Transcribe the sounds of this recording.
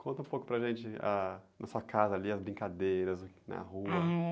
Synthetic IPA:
kʰõnt̪ɐũpowkʊ̥pɾɐʒẽnt͡ʃɪanɐsuɐkʰazɐaːliɐzbɾĩkad̪ejɾɐz | nɐ̰huɐ

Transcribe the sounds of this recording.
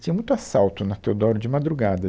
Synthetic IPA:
t͡ʃĩɲɐmũj̃t̪ʊasawt̪ʊnɐt̪ewd̪ɔɾʊd͡ʒɪmad̪ɾuɡad̪ɐ

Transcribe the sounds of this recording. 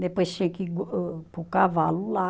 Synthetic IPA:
nepəsekiɡpukaʋalula

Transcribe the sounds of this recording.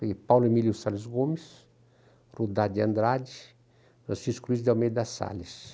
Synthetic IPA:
pawlemiljʊsalezɡomɪs | rud̪ad̪iɐ̃nd̪ɾad͡ʒi | fɾɐ̰̃siskulizd̪awmej̪d̪asa̰lis

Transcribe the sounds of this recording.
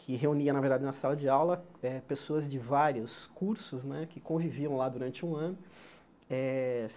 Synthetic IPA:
kʰɪɦeuniɐnaveɾd̪add͡ʒɪnɐsalɐd͡ʒɪawlɐɛpesoɐzd͡ʒɪvaɾiʊskuɾsʊznɛkɪkõviviɐ̃w̃lad̪uɾɐ̃nt͡ʃɪũɐ̃nʊ | ɛ

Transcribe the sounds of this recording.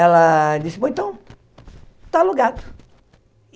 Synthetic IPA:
ɛlɐd͡ʒisɪpoẽt̪ɐ̃w̃ | t̪aluɡat̪ʊ̥

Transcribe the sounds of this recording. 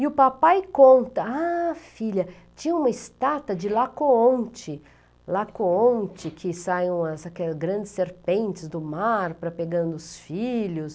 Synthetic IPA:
ɪʊpapajkõnt̪ɐafiʎɐ | t͡ʃĩɲɐũmɐɪst̪at̪ɐd͡ʒɪlakoõnt͡ʃɪ | lakoõnt͡ʃɪkʰɪsaj̃w̃ɐsakɛlɐzɡɾɐ̃d͡ʒɪsːeɾpẽnt͡ʃɪzd̪ʊmaɾpɾɐpeɡɐ̃nd̪ʊʊsfiʎʊs

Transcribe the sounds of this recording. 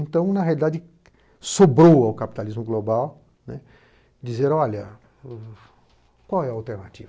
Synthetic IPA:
ẽnt̪ɐ̃w̃nɐɦealid̪ad͡ʒɪ | sobɾowɐwkapi̥t̪alizmʊɡlobaw | nɛ | d͡ʒizeɾ̃ɔʎɐ | kwawɛawt̪eɾnat͡ʃḭvɐ

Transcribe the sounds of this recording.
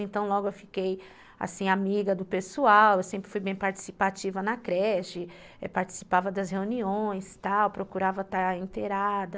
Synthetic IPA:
ẽnt̪ɐ̃w̃lɔɡʊewfikej | a̰sĩamiɡɐd̪ʊpesuawewsẽmpɾɪ̥fujbẽj̃paɾt͡ʃi̥sipat͡ʃivɐnɐkɾɛʃɪ | ɛpaɾt͡ʃi̥si̥pavɐd̪ɐsheuniõj̃st̪awpɾokuɾavɐt̪aɾẽnt̪eɾad̪ɐ

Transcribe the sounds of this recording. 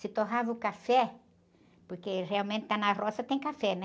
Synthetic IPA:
sɪt̪oɦavɐʊkafɛ | poɾkereawmẽnt̪ɪ̥t̪anɐrɔsɐt̪ẽj̃kafɛnɛ

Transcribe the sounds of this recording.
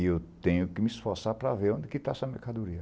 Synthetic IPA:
ewt̪ẽɲʊkɪmɪisfoɾsaɾpɾɐveɾõd̪ɛkɪt̪aɛsɐmeɾkad̪oɾiɐ

